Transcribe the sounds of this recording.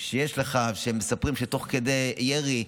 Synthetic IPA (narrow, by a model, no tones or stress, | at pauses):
ʃejeʃleχaʃeemːesapʁimʃet̪o̞χked̪ejeʁi